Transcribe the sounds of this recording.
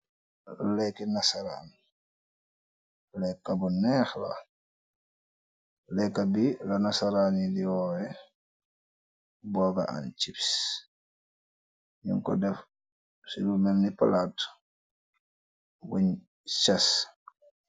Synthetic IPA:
lalɛkinasaɾa̰ni | lɛkːabɔnɛxla̰ | lɛkːabilanasaɾanidiwɔːwɛ | bɔːɡa̰ʔa̰nt͡ʃips | ɲṵŋkɔ̰dɛf | siɾumɛnipalat | woɲ | t͡ʃas

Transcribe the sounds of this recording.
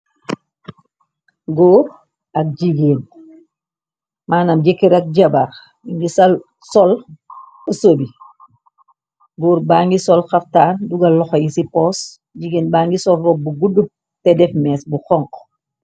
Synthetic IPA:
ɡoːɾ | ɐk̚ɟiɡeːn | mʔaːnamɟekːiɾɐk̚ɟabaɾ | iɲɡisɐl | sɔl | əsobi | ɡoːɾbaːŋɡisɔlxaftaːnduɡɐlɔxɔjisipɔːs | ɟiɡeːnbaːŋɡisɔlfɔbuɡudup̚ | tɛdɛfmɛːsbuxɔŋq

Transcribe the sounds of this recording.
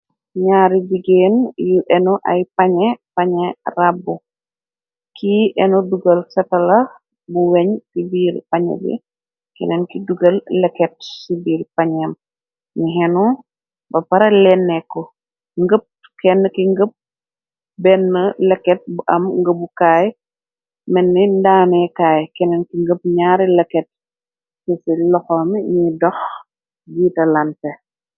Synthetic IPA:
ɲaːɾibiɡeːnjuʔɛnɔʔɐ̰jpɐɲɛpɐɲɛrabu | kʰiʔɛnɔduɡɐlsɐtɐlɐ | buwɛɲkibiːɾpɐɲɛ̰bḭ | kḭnɛnkiduɡɐllɛkːɛt̚subiːrpɐɲɐm | ɲiɦɛnɔ | bɐpɐɾɐlɛnːɛkːɔ | ŋɡəp̚ | kɛnːəkiŋɡəp̚ | bɛnːəlɛkːɛt̚buʔɐmŋɡəbukaːj | mɛnːindaːnɛkaːjkɛnɛnkiŋɡəp̚ɲaːɾilɛkːɛt̚ | tɛsilɔxɔːmiɲidɔx | ɡiːtɐlɐntɛ

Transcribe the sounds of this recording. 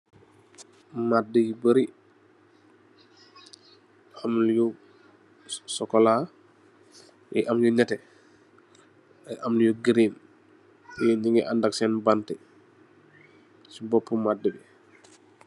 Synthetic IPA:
madəjibəɾi | amlju | sɔkːɔla | jɛ̰ʔamjuɲatɛ | ajʔamnjuɡiɾim | ɲiŋɡɛʔandak̚sɛnbantɛ | sibɔpːumadːəbi

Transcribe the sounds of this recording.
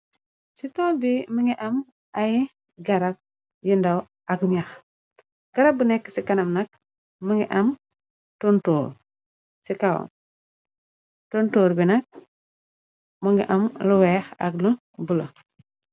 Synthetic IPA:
sitɔːldiməŋɡiʔɐm | aj | ɡɐɾɐk̚ | jindɐw | ʔɐkɲax | ɡ̥ɐɾɐbunɛkːəsikɐnɐmnɐk̚ | məŋɡiʔɐm | tontoːɾ | sikaw̰ | tontoːɾbinɐk̚ | məŋɡḭʔɐmluwɛːxɐ̰klu | bulɐ

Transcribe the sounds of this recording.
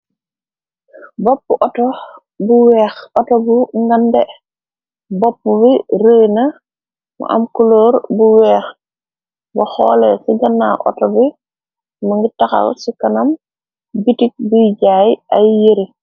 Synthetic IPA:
bopːuʔɔtɔ | buwɛːxɔtɔbuŋɡande | bopːubiɾəːjnɐ | mṵʔɐ̰mkuloːɾbuwɛːx | bɐxɔ̰ːlɛsiɡɐnːa̰ʔɔ̰tɔbi | mɐŋɡitaxa̰lsikɐnɐm | bitik̚buɟaːjʔajjeɾi

